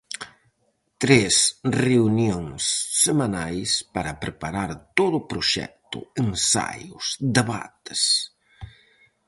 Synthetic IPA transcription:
t̪ɾesreunjoŋsːemanajspaɾɐpɾepaɾaɾt̪oðʊːpɾʊʃɛ̰k̚t̪ʊ̰ensa̰jʊsd̪eβa̰t̪ɪ̥s

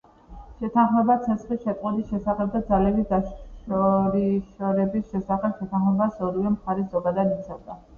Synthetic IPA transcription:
ʃɛt̪ʰanχmɛbat̪sʰɛsχlisʃɛt̪ʼqʼɛbisʃɛsaχɛb̚d̪ad̪zalɛbid̪aʃʃɔɾiʃɔɾɛbisʃɛsaχɛpʃɛt̪ʰanχmɛbasɔɾivɛmχaɾɛzɔɡad̪ad̪it̪sʰɛvd̪a

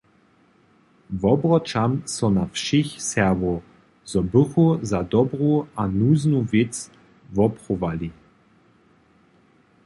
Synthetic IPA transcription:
vɔbʁɔt͡ʃamsɔnafʃɪxsɛɐvɔ | zɔbɵxuzadɔbʁuanuːznuvɪt͡s | vɔpχɔvali

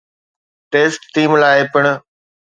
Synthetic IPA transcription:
ʈeːsʈt̪iːmlaːepɪɽ̃

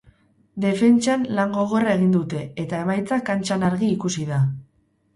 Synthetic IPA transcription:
d̪e̞fe̞nt͡ʃanlaŋɡo̞ɣ̞o̞rae̞ɣ̞ind̪ut̪e̞et̪ae̞majt͡sakant͡ʃanaɾɣiːkusiða

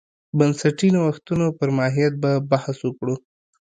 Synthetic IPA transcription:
bansaʈinawaxt̪unopəɾmɑɦijat̪̚babahaswəkɽu

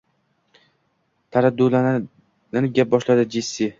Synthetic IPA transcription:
t̪ʰaɾad̪ːula | nanɪɡʲap̚bɒʃlad̪ɪd͡ʒɪsːɪ

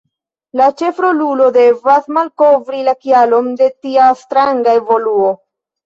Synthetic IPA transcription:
lat͡ʃe̞fɾolulo̞de̞vasmalko̞vɾilakialo̞nde̞tiastɾaŋɡae̞vo̞luo̞

